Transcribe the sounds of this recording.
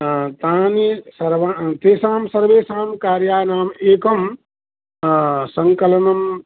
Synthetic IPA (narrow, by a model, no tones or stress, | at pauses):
t̪aːnisɐɾʋat̪eːsaːmsɐɾʋeːsaːmkaːɾjaːnaːmeːkɐm | sɐŋkɐlɐnɐm